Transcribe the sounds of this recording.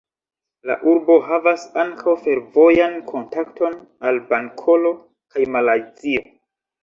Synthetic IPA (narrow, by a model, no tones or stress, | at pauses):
la̰ʔuɾbo̞havasaŋkʰawfe̞ɾvo̞jankʰo̞ntaktʰo̞n | albaŋkʰo̞lo̞ | kajmalajzio̞